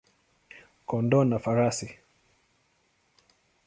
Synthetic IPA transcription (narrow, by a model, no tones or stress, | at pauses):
kɔndɔnafaɾasi